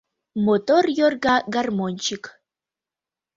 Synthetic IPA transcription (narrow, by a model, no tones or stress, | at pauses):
mot̪orjorɡaɡarmonʲt͡ʃik